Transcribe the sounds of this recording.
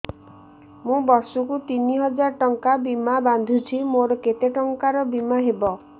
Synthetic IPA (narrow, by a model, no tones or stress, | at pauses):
mũbɔɾsukut̪iniɦɔd͡ʒaɾʈɔŋkabimaband̪ʱut͡ʃʰimoɾɔket̪eʈɔŋkaɾɔbimaɦebɔ